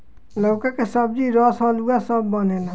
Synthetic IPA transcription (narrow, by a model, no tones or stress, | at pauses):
loːkakesəb̚d͡ʒiːɾɔːsaːluasəbːaneːna